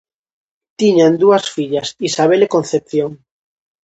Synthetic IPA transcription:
t̪iɲand̪uasfiʎasisaβ̞elekõnθep̚θjoŋ

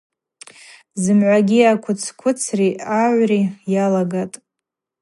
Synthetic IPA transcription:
zɨmʕʷaɡʲiakʷʰʊt͡sʰkʷʰʊt͡sʰriʔaʕʷrijalaɡatʼ

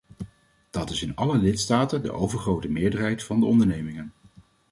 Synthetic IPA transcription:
d̥ɑtɪsɪnɑləlɪtstaːtəndə̰ʔowvəɹχrowtəmɪːɹdəɹɦɛjtfɑndəɔndəɹnejmɪŋən

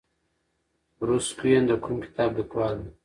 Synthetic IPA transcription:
ɾuskujend̪əkʰumkɪ̥t̪aːb̚d̪əkwaːn

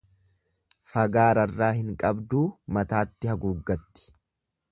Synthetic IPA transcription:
fɐɡaːɾɐrːaːhɪŋkʼɐbd̪uːmɐt̪aːt̪ːɪhɐɡuɡːɐt̪ːɪ̥

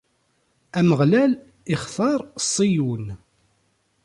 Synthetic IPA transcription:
æməʁlæl | ɪχθɑɾˤsˤːijun

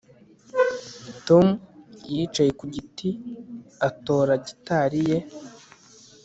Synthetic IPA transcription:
tomujit͡ʃajekuɟiti | ato̞ːɾaɟitaɾije̞

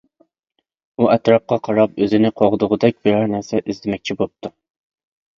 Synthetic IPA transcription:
uʔɛt̪ɾɑp̚qɑqʰɑɾɑp̚øzɪnɪqʰɑʁʊd̪ʊʁʊd̪ɛk̚ʲbɪɾɛɾnæɾsɛʔɪzd̪ɪmɛk̚ʲt͡ʃʰibop̚t̪ʰu

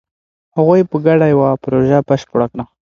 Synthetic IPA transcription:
haɣojpəɡaɽajwapɾoʒapaʃpʊɽakɽa

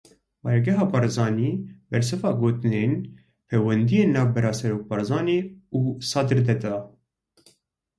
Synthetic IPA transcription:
bɑːjɑɡɛɦɑːbɑɾzɑːniːbɛɾs̬ɨfɑːɡoːt̪ɨneːn | pʰeːwɛnd̪ijeːnːɑːvbɛɾɑːsɛɾoːk̚bɑɾzɑːneːuːsɑːd̪ɨɾd̪ɛd̪ɑː

